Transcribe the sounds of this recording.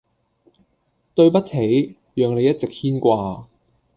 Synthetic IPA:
t̪ɵ˧ɥpɐ˥t̚he˨˥j | jœː˨ŋle˨˧jɐ˥t̚t͡sɪ˨k̚hiː˥nkʷaː˧

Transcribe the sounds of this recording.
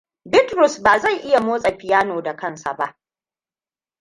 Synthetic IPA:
bɪ˦tɾʊ˨sbaː˨za˦˨jʔɪ˦ja˨moː˦sʼɐ˨ɸɪ˨jaː˦noː˨da˨kɐ˦˨nsa̰˨ba˦ʔ

